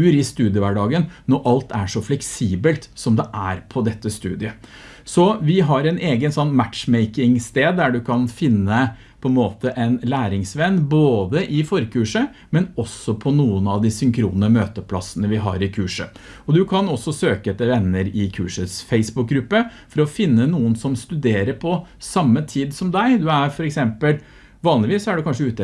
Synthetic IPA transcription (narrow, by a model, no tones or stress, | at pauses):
ʉːɾɪst̪ʉːd̪ɪəʋæɖɑːɡənnɔʔɑlt̪ʰæʂɔflɛksiːbəlt̪sɔmd̪ɛʔæɾpʰɔd̪ɛt̪ːəst̪ʉ̰ːd̪ɪə | sɔʋɪɦɑɾɛɪnʔeːɡənsɔnːmæt̪ʃmɛɪkɪŋst̪eːd̪ːæɖʉkʰɑnfɪnːə | pʰɔɛnmoːt̪əʔɛɪnlæːɾɪŋsʋɛnːboːd̪əʔɪfɔɾkʰʉːʂə | mɛnɔsːɔpʰɔnuːənɑʋd̪ɪsʏŋkʰɾṵːnəmøːt̪əpʰlɑ̰sənəʋɪɦɑ̰ɾɪkʰʉːʂə̰ | ɔd̪ʉkʰɑnɔsːɔsøːkəɛt̪ːəɾʋɛnːəɾɪkʰʉːʂəsfeɪsbʊk̚ɡɾʉpːə | fɔɾɔfɪnːənuːənsɔmst̪ʉd̪eːɾəɾpʰɔsɑmːət̪ʰiːd̪sɔmd̪æɪd̪ʉæɾfɔɾɛksɛmpəl | ʋɑːnlɪʋiːsɔæɖʉkʰɑnʂəʉːt̪ə